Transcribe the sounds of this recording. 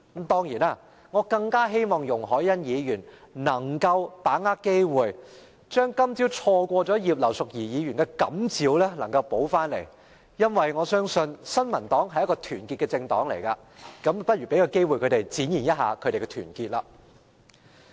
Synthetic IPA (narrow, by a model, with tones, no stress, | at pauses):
m̩˨˥t̪ɔː˥ŋjiː˨˩naː˧˥ | ŋɔː˨˧kɐ˧ŋkaː˥ɦe˥jmɔː˨˩ŋjʊ˨˩ŋɦɔː˨˥jjɐ˥njiː˨˧jyː˨˩nnɐ˨˩ŋkɐ˧wpaː˨˥ŋaː˥kke˥jwuː˨˩j | t͡ʃœː˥ŋkɐ˥mt͡siː˨˥wt͡sʰɔː˧kʷɔː˧t͡sɔː˨˥jiː˨p̬̚lɐ˨˩wsʊ˨k̚jiː˨˩jiː˨˧jyː˨˩nkɛ˧kɐ̰˨˥mt͡siː˨˧wlɛː˥lɐ˨˩ŋkɐ˧wpo˨˥wfaː˥nlḛ˨˩j | jɐ˥nwɐ˨jŋɔː˨˧sœː˥ŋsɵ˧nsɐ˥nmɐ˨˩nt̪ɔː˨˥ŋɦɐ˨jɐ˥tkɔː˧t̪ʰyː˨˩nkiː˧t̚kɛ˧t͡sɪ˧ŋt̪ɔː˨˥ŋlḛ˨˩jkaː˧ | kɐ˨˥mpɐ˥t̚y˨˩pe˨˥jaː˧wke˥jwu˨jkʰɵ˨˧t̪e˨˩jt͡siː˨˥njiː˨˩njɐ˥t̚ɦa̰ː˨˧kʰɵ˨˧t̪e˨jkɛ˧t̪ʰyː˨˩nkiː˧t̚laː˧